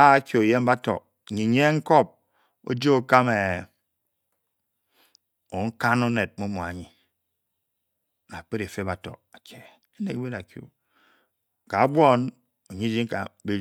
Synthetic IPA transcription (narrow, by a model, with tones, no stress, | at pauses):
a˦kjo˨je˦m˦ba˦tɔ̰˨ | ɲi˨ɲ˦e˦ŋ̩˦kɔ˦p̚ | o̰˦d͡ʒi˦o˨ka˦me˨ | o˨ŋ̩˦ka˦no˦ne˨t̚mo˦mo˨a̰˨ɲi˨ | na˨k͡pe˦ɾe˨fe˦ba˨tɔ̰˨a˨kʰe˨ | e˦ne˨kwe˦ɾa˨kjo̰˨ | ka˨a˦bʷo˦n | o˨ɲi˦d͡ʒi˦ŋ˦ka̰˨be˦